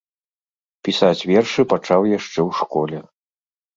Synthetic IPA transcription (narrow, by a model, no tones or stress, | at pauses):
pʲisat͡sʲvʲɛrʂɨpat͡ʂawjaʂt͡ʂɛwʂkɔlʲɛ